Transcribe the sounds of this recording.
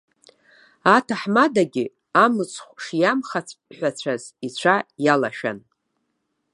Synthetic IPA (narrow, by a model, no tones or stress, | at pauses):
atʰaħmadaɡʲɪ | amɨt͡sʷʰʼχʷʂjamχat͡sʰʷʼħʷᶣat͡ɕʷʰazit͡ɕʷʰajala̰ʃᶣa̰n